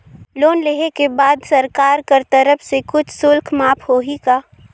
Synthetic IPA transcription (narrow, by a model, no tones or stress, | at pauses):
loːnleɦekebaːd̪sɐɾkaːɾkɐɾt̪əɾəfʰsekʊt͡ʃʰsʊlkʰmaːpʰhoːɦikaː